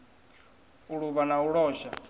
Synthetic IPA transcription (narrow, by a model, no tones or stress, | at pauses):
uɺuβanauɺɔːʃa